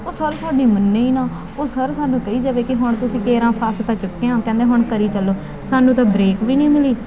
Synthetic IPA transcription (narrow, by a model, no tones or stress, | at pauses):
oːsəɾsaːɖiːmənːeiːnãː | oːsəɾsaːnũːkəiːd͡ʒəʋeːkɪɦʊɳt̪ʊsĩːkeːɾãːpʰaːst̪ãːt͡ʃʊkːeãːkɛ̃ːnd̪eːɦʊɳkəɾiːt͡ʃəlːoː | saːnũːt̪ãːbɾeːkʋiːnĩːmɪliː